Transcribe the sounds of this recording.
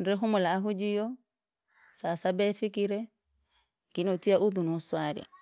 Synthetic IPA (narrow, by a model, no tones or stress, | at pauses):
ndɛɦumɔlaːɦud͡ʒijɔ | sasabɛfikiɾɛ | ŋkinɔtiaʔuðunɔswaɾḭa̰